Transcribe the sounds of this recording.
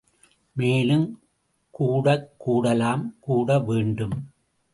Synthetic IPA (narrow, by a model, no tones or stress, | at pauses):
meːlɯm | kuːɽɐkːuːɽɐlaːmkuːɽɐʋeːɳɖɯm